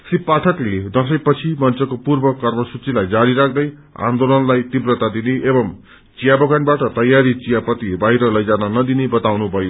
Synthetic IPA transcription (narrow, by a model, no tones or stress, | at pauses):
sipːaʈʰʌkled̪ʌsʌjpʌt͡sʰimʌnt͡sʌkopurbʌkʌrmʌsut͡silajd͡zaɾiɾak̚ʰd̪ʌj | ã̰nd̪olʌnlajt̪ibrʌt̪ad̪ineʔebʌm | t͡sijabʌɡanbaʈʌt̪ʌjːaɾit͡sijapʌt̪ibaɦiɾʌlʌjd͡zanʌnʌd̪inebʌt̪awnubʱʌjo